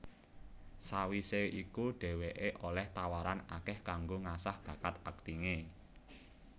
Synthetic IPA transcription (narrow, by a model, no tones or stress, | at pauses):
sawiseʔikuɖ̥e̤weʔeʔolɛht̪awaɾana̰kɛhkaŋɡoŋasahb̥a̤kat̪ak̚t̪iŋe